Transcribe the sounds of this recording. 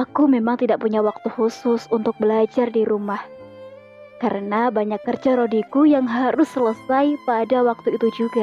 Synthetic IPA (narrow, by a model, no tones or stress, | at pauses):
akumemaŋt̪idaʔpuɲawak̚t̪uhusʊsunt̪ʊk̚bəlad͡ʒardiɾumah | kaɾənabaɲakːərd͡ʒaɾodikujaŋɦaɾʊsːələsajpadawak̚t̪uit̪ud͡ʒuɡa